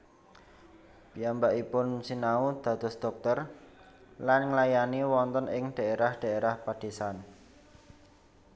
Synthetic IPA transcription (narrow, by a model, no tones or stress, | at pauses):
b̥iambaʔipʊnsinaud̪̥ä̤d̪̥ɔ̤sd̪̥ɔk̚t̪ər | lanŋlajaniwɔnt̪ɔnɪŋd̪̥a̤ʔeɾahɖ̪̥a̤eɾahpad̪̥esan